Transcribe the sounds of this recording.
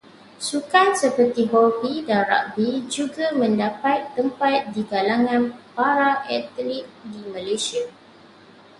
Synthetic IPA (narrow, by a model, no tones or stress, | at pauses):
sukansəpət̪iɦɔbidanɾa̰ʔ̚bid͡ʒuɡamə̃ndapat̪ːəmpat̪̚diɡalaŋãnpaɾaʔɛt̪lik̚dimãlasia